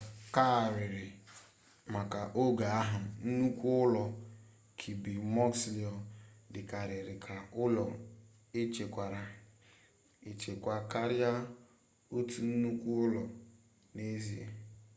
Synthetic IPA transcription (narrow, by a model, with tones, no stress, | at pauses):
ka˦˨ɾɪ˨ɾɪ˨ | ma˨ka˨ʔo˦ɡa˨a˦ɦʊ˨n̩˦nu˦kʷu˦ʊ˦lɔ˨ | kʰi˨bi˨mɔ˦ksli˨ɔ˨dɪ˨ka˨ɾɪ˨ɾɪ˨kʰa˨ʊ˦lɔ˨ | e˦t͡ʃe˨kʷa˨ɾa˨ | e˨t͡ʃe˨kʷa˨ka˦ɾja˦ | o˦tu˨n̩˦nu˦kʷu˦ʊ˦lɔ˨ | ne˦zi˨˦ḛ˨